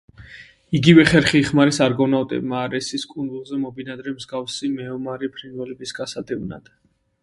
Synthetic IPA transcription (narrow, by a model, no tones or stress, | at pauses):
iɡivɛχɛɾχiːχmaɾisaɾɡɔnawt̪ʼɛ̰b̚maːɾɛsiskʼunzulˠzɛmɔbinad̪ɾɛmzɡafsimɛɔmaɾipʰɾinvɛlɛbisɡasad̪ɛvna̰d̪̥